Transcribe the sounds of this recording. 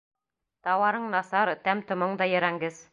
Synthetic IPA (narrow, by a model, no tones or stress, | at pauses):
t̪ɑwɑɾɤɴnɑsɑɾt̪æmt̪ŏmɤɴd̪ɑjɘ̆ɾæŋɡɘz̥